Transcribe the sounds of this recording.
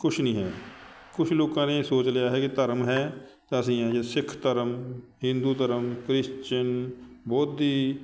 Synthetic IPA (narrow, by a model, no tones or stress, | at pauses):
kʊt͡ʃʰnĩːɦɛːkʊt͡ʃʰloːkãːneːsoːt͡ʃlejaːɦɛːkit̪əɾmɦɛː | t̪aəs̬ĩːãːd͡ʒesɪkʰt̪əɾəmɦɪ̃nd̪uːt̪əɾəmkɾɪʃt͡ʃənbɔːt̪iː